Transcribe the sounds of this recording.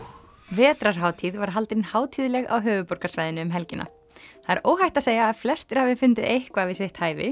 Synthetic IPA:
vɛːt̪ɾaɾ̥ɦaːwt̪ʰiðvaɾ̥ɦalt̪ɪnhaːwt̪ʰiðlɛɣa̰wɦœːvʏpor̥kasvajðɪnʏːmɦɛlcɪnʔa̰ | θaðɛɾoːwɦajht̪aðseːjaːðflɛst̪ɪɾ̥havɪfʏnt̪ɪðejhkvaðvɪseht̪haːjvɪ̰

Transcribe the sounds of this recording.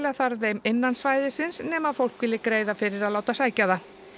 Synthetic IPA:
laθaɾðejmɪnːansvaːjðɪsɪnsnɛːmaðfowl̥kvɪlːɪkɾeːjðafɪɾɪɾaðlaːwt̪asaːjcaða

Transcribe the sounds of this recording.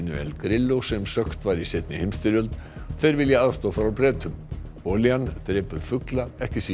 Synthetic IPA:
nʏ̰ɛ̰lkɾɪlːowsɛmsœxt̪vaɾisɪt̪nɪhɪmst̪ɪɾjœlt̪ | θejɾvɪljɛaðst̪oːfaɾawpɾɛːt̪ʏm | oːliant̪ɾɛːpʏɾ̥fʏklaɛhcɪsi

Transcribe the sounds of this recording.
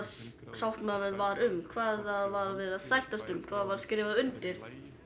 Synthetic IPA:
sawhk̪manʏnvaɾʏmkʰvaːðaðvaɾvɛðaðsajht̪ast̪ʏmkʰv̥aːðavaɾ̥skɾɪːvaðaʏnt̪ɪɾ̥

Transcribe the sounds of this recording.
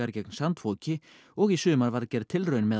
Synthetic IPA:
aɾcɛknsant̪foːwcɪ | ɔɣisʏːmaɾvaɾcɛɾt̪ʰɪlrœɥnmɛð

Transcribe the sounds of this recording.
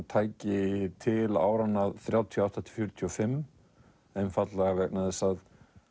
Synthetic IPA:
t̪ʰaːjcɪt̪ʰɪla̰ːwɾanːaðθɾjaːwt̪ʰijɔawht̪at̪ʰɪ̥lfjʏɾt̪ʰiɔfɪmː | ɛnfat̪laɣavɛknaðɛsað

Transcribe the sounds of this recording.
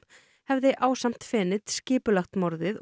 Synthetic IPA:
hɛvðɪʔaːwsam̥t̪fɪːnɪt̪scɪːpʏlaxt̪mɔɾðɪð

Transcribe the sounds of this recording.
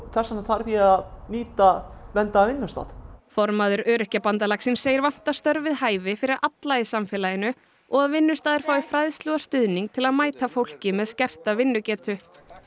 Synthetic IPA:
θɛsːanaθʰaɾfianiːt̪avɛnt̪aːvɪnːʏst̪a̰ːðfɔɾmaðʏɾœːɾʏhcapant̪alaksɪnsːeːjɪɾvan̥t̪ast̪œɾvɪðhaːjvɪfɪɾɪɾʔat̪laɪsamfɛːlajɪnʏ | ɔɣaðvɪnːʏst̪aːðɪɾ̥faːwɪfɾajðst̪lɔɣast̪ʏðniŋ̚t̪ʰɪlaðmaːjt̪afowl̥cɪmɛðscɛr̥t̪avɪnːʏcɛːt̪ʏ

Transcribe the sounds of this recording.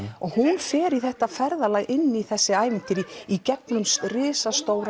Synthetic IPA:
ɔɣhunfɛːɾiθɛht̪afɛɾðalaːjɣʔɪnːiθɛsːɪaːjvɪn̥t̪ɪɾiicɛpnʏmsrɪːsast̪oːwɾ

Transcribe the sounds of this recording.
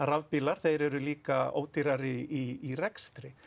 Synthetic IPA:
ravpilaɾ̥θejɾɛɾʏliːkao̰ːwt̪iɾaɾɪiirɛkst̪ɾɪ

